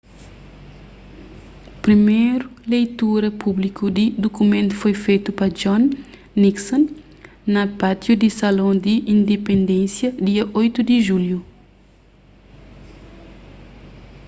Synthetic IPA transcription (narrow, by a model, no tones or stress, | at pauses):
pɾimejɾulejt̪uɾɐpublikud̪id̪okumẽnt̪u̥fojfejt̪upɐd͡ʒɔ̃nː | iksɔ̃nː | ɐpat̪jud̪isɐlõd̪iʔĩnd̪epẽnd̪ẽnsjɐd̪iɐʔojt̪ud̪iʒulju